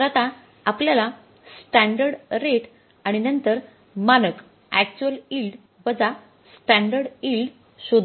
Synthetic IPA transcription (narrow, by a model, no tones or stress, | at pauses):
ɾət̪a | apljala | sʈæɳɖəɾɖɾeʈ | aɽ̃inənt̪əɾ | manək | æk̚t͡ɕuəlilɖ | bəd͡za | sʈæɳɖəɾɽilɖ | ɕod̪ʱ